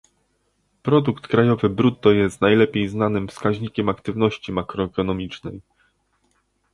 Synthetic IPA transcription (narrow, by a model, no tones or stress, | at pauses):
pɾɔd̪ukt̪kɾajɔvɘbɾut̪̚ːɔjɛst̪najlɛpʲjejznanɘmfskaʑɲikʲɛmakt̪ɘvnɔɕt͡ɕimakɾɔɛkɔnɔmʲit͡ʂnɛj